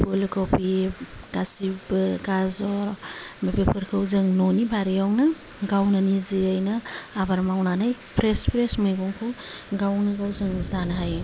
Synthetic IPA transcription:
pɯlkʰɯwpʰi | ɡ̥asibɯɡazɔɾmebepʰɯɾkʰɯwzɯŋnonibaɾijawnɯ | ɡawnanizɯajnaabaɾmawnanajpʰɾespʰɾesmɯjɡɔŋkʰɯwɡawnɯɡawzɯŋzanaɦaj

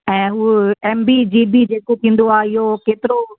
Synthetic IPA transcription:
ɛ̃ːɦuːɛːmbid͡ʑiːbid͡ʑeːkot̪ĩːn̆d̪oaːɪɦokeːt̪ɪɾo

